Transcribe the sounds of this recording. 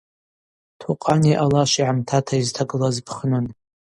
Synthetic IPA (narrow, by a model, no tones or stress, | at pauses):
tʰuqʼaniʔalaʃʷiʕamtʰatʰaiztʰaɡɨlazpʰχnɨn